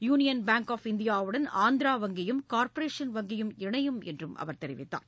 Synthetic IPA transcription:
juːnɪjɐnbaːŋkaːfɪnd̪ɪjaːʋɯɽɐnaːnd̪ɪɾaːʋɐŋɡɪjɯmkaːɾpɐɾeːʂɐnʋɐŋɡɪjɯmɪɳɐjɯmɛ̰ndrɯmʔɐ̰ʋɐɾt̪ɛɾɪʋɪ̰t̪ːa̰ːn

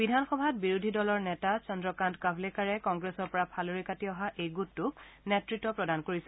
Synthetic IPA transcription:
bidʱanxɔbʱat̚biɹudʱidɔlɔɹnɛtat͡ʃɔndɹɔkantkabʱlekaɹɛkɔŋɡɹesɔɹpɔɹapʰaloɹikatiɔɦaʔejɡutːʊknetɹitːɔpɹɔdankoɹisɛ

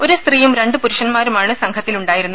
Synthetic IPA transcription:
o̞ɾust̪rijumɾe̞ɳɖɨpuɾuʂɐnmaːɾumaːɳɨsɐŋkʰɐt̪ːiluɳɖaːjiɾunːu

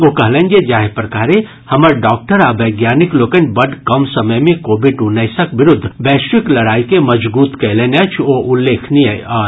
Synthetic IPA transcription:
okəɦlɛ̃nd͡ʒed͡ʒaɦepɾəkaːɾe | həməɾɖɔk̚ʈəɾabəɪɡjaːnikloːkənbəɖkəmsəməjmẽkobiɖunəjsəkbɪɾʊd̪ʱːbɛːsikləɽaːikeməd͡ʒbuːt̪kəlenat͡ʃʰoʔulːeːkʰnijə̰ɔ

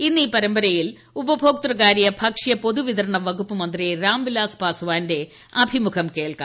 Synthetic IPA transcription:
inːiːpɐɾɐmbɐɾɐjil | ubɐbʱoːk̚t̪rɐɣaːɾijɐbʱɐkʂijɐpo̞ðuʋiðɐɾɐɳɐʋɐɡupːɐmɐnd̪riɾaːmʋilaːsbaːsuʋaːnde̞ | ɐbʱimukʰɐmkeːɭkɐ

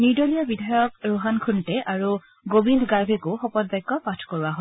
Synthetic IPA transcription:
niɹdɔlijɔbidʱajɔk̚ɹoɦankʰuntɛʔaɹu | ɡobindʱɡaɹbʱekʊxɔpɔt̚bajkːɔpatʰkoɹuwaɦɔ

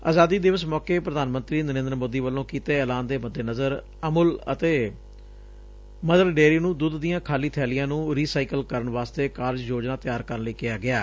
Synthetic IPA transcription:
a̰ːzaːd̪iːd̪ɪʋəsmɔːkeːpɾəd̪aːnmə̃nt̪ɾiːnəɾẽːnd̪əɾmoːd̪iːʋəlːõːkiːt̪eːɛːlaːnd̪eːməd̪ːeːnəzəɾ | əmʊlə̰t̪eː | məd̪əlɖeːɾiːnũːd̪ʊd̪ːijãːkʰaːliːt̪ʰɛːlɪjãːnũːɾiːsaːikəlkəɾəɳʋaːst̪eːkaːɾd͡ʒjoːd͡ʒnaːt̪ɪjaːɾkəɾənləiːkɪjaːɡɪaː

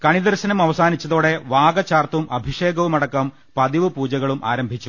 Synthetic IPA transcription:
kɐɳid̪ɐrɕɐnɐmɐʋɐsaːnit͡ɕːɐðoːɽe̞ʋaːɡɐt͡ɕaːrt̪umʔɐbʱiʂeːɡɐʋumɐɽɐkːɐm | pɐðiʋɨpuːd͡ʑɐɣɐɭumʔa̰ːɾɐmbʱit͡ɕːu

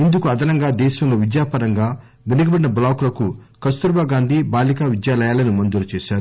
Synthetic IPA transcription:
ind̪ukuɐd̪ʱɐnɐŋɡaːd̪ɛːʃɐmlo̞ːʋid̪jaːpɐɾɐŋɡaː | ʋenɐɡiɐbɐɽinɐblaːklɐkukɐst̪uɾbaːɡaːnd̪ʱibaːlikaːʋid̪jaːlɐjaːlɐnimɐnd̪ulut͡ʃeːʃaːɾu

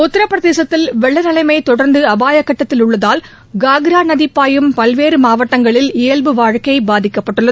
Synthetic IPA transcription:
ʊt̪ːɪɾɐpːɾɐðeːsɐt̪ːɪlʋɛɭːɐnɐlɐɪmɐɪt̪ɔɽɐɾnd̪ɯɐbaːjɐkːɐʈːɐt̪ːɪlʊɭːɐðaːl | ɡaːɡɾaːnɐðɪpːaːjɯmpɐlʋeːɾɯmaːʋɐʈːɐŋɡɐɭɪlɪjɐlbɯʋaːɻkɐɪbaːðɪkːɐpːɐʈːɯɭːɐ

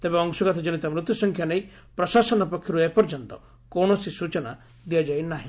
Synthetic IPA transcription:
t̪ebeɔŋsɔɡat̪ʰɔd͡ʒenit̪amɾut̪ːjusɔŋkʰjanej | pɾɔsasɔnɔpɔkʰːjɔɾuepɔɾd͡ʒɔnt̪ɔ̰ | koɳ̃ɔsisut͡ʃɔna | d̪iad͡ʒajnaɦĩ

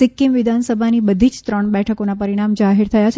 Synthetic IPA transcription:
ɪkːimʋɪd̪ʱansəbʱanibəd̪ʱid͡ʒt̪ɾəɳ̃bɛʈʰəkonapəɾiɽ̃amd͡ʒaɦiɾt̪ʰəjat͡ʃʰ

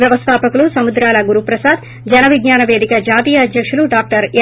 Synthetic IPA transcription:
jɐʋɐst̪ʰaːpɐkulusɐmud̪ɾaːlɐɡuɾupɾɐsaːd̪ | d͡ʒɐnɐʋiɡɲaːnɐʋeːd̪ikɐd͡ʒaːt̪iːjɐːd̪jɐkʂuluɖaːk̚ʈɐɾ

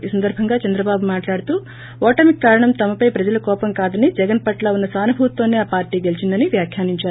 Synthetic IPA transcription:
isɐnd̪ɐɾbʱɐŋɡaːt͡ʃɐnd̪ɾɐbaːbumaːʈlaːɽut̪uː | ɔːʈɐmikːaːɾɐɳɐmt̪ɐmɐpɐjpɾɐd͡ʒɐlɐkɔːpɐmkaːd̪ɐnid͡ʒɛɡɐnpɐʈlaːunːɐsaːnubʱuːt̪ːoːneaːpaːɾʈiːɡe̞lit͡ʃind̪ɐniʋjaːkʰjaːniɲt͡ʃaːɾu

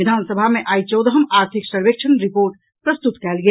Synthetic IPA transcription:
id̪ʱansəbʱameʔajt͡ʃəwd̪əɦəmaɾt̪ʰiksəɾʋekt͡ʃʰənɾipoɾʈ | pɾəst̪ut̪kɛlɡe

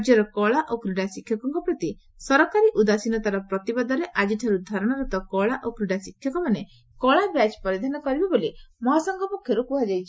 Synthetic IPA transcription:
d͡ʒjɔɾɔkɔɭaʔokɾiɽasikʰjɔkɔŋkɔpɾɔt̪i | sɔɾɔkaɾiʔud̪asinɔt̪aɾɔpɾɔt̪ibad̪ɔɾeʔad͡ʒiʈʰɔɾud̪ʱaɾɔɽ̃ɔɾɔt̪ɔkɔɭaʔokɾiɽasikʰːjɔkɔmane | kɔɭabɾad͡ʒpɔɾid̪ʱanɔkɔɾibɔbolimɔɦasɔŋɡʱɔmukʰjɔɾukuɦad͡ʒajt͡ʃʰi

